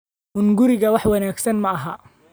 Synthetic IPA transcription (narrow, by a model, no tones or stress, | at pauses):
ʔʊŋɡʊɾɪɣɐwɑħwɑnaːɡsɐnmɐːɦɐ